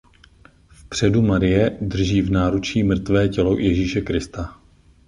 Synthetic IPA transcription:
fpr̝̥ɛdumaɾɪjɛdr̩ʒiːvnaːɾut͡ʃiːmr̩t̪vɛːcɛlojɛʒiːʃɛkɾɪst̪a

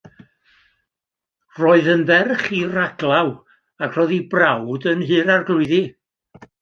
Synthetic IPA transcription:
roːɨðənðɛrχiraɡlˠaw | akʰr̥ɔðibrawdənɦɨːɾarɡlˠʊɨði

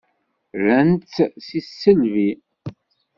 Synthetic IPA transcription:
ɾænt͡ssisːəlvi

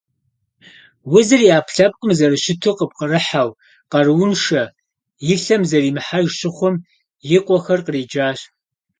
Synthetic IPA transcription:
wʊzɨriaːpʰɬɐp̚qʼəmzɐɾɨʃɪtʰoqəp̚qərɨħaw | qɐrɨwʊnʂɐ | jɪɬɐmzɐriːmɨħarʃɪχʷʊm | jɪqʷʼɔxɐrqəriːd͡ʒaːɕ

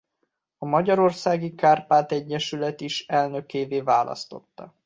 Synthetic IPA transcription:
ɒmɒɟɒɾo̞rsaːɡikaːrpaːt̪ɛɟːɛʃylɛt̪iʃɛlnø̞keːveːvaːlʔɒ̰st̪o̞̰t̪ːɒ̰

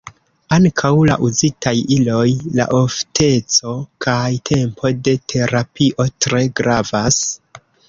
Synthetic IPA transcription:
aŋkʰawla̰ʔuzitajilo̞jla̰ʔoftʰe̞t͡so̞kʰajtʰe̞mpʰo̞de̞tʰe̞ɾapiʔo̞tɾe̞ɡɾavas

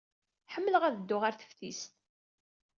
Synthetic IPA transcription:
ħəmːələʁæðəd̪ːʊʁaɾθə̥fθist̪

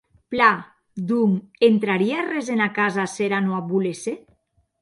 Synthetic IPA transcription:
pla | d̪uŋent̪ɾaɾiarezenakazaseɾanoaβulese

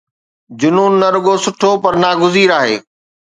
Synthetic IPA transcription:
d͡ʑʊnuːnːɐɾʊɠosʊʈʰopɐɾnaːɡʊziːɾaːɦḛː

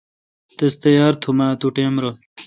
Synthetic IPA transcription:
t̪est̪ɐjaːɾt̪ʰumat̪uʈeːmɾol

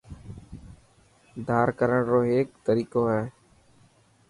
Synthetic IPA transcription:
d̪ʱaːɾkəɾəɳɾoːɦeːk̚t̪əɾiːkoːɦɛː

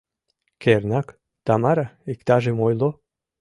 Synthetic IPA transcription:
kernɑk | t̪ɑmɑɾaikt̪ɑʒemojlo

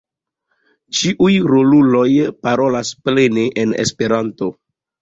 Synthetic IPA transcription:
t͡ʃiʔujɾolulo̞jpaɾo̞lasple̞neʔenḛspe̞ɾanto̞

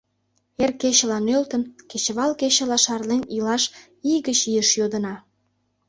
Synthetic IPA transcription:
erkeɕəlɑnølt̪ənket͡ɕəβɑlkeɕə̆lɑʃɑrlenilɑʃ | iɣət͡ɕijəʃjod̪ənɑ

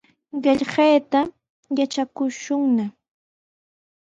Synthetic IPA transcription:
ɢeʎɢejt̪a | jat͡ʃakʊʃʊŋna

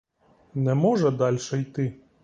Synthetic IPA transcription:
nɛmɔʐɛd̪ɑlʲʃɛjt̪ɪ

